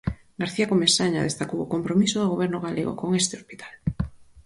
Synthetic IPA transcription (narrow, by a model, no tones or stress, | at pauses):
ɡaɾθiakomesaɲaðest̪akowokompɾomisoðoɣ̞oβɛɾnʊɣaleɣo̰koŋest̪eospi̥t̪ʰal